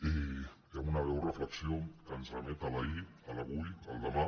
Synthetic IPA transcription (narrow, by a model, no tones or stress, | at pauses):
i | amunaβɛwrəfləksioŋkənzrəmɛt̪alai | əlaβujəlˠd̪əma